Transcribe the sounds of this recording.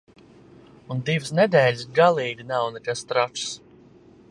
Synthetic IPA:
und̪ivɨsnɛd̪ɛːlʲisɡalˠiːd̪ʲinawnɛkast̪ɾat͡ʃs

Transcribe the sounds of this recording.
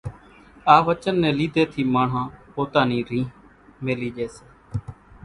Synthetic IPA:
aːʋət͡ʃənːɛ̃ːliːd̪ʱeːt̪ʰiːmaːɳ̤ãːpoːt̪aːniːɾĩː | meːliːd͡ʒeːseː

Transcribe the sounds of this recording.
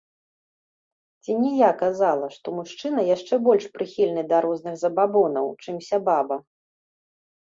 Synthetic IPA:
t͡sʲinʲijakazalˠɐʂt̪ɔmuʂt͡ʂɨnɐjaʂt͡ʂɛbɔlʲʂpɾɨxʲilʲnɨd̪ɐɾɔznɨɣzɐbabɔnɐwt͡ʂɨmsʲababɐ

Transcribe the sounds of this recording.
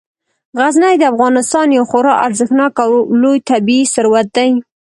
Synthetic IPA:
ɣaznajd̪əafɣɑnɪst̪ɑnjawxoɾɑʔaɾzəxnɑkawlojt̪abiisəɾwat̪̚d̪aj

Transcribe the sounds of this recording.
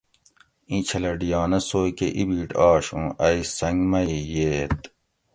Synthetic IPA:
ĩt͡ɕʰɐlɐɖijɑːnɐsoːkeʔibiːʈaːɕũːʔɐisɐŋɡmɐijeːt̪

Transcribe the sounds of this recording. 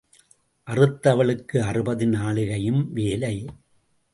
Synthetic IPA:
ʔɐrɯt̪ːɐʋɐɭɯkːɯɐrɯbɐðɯnaːɭɯɣɐjɯmʋeːlɐɪ

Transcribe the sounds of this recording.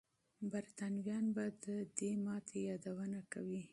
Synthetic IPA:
baɾt̪anwjɑnbad̪əd̪emɑt̪ʰejɑd̪awənakawi

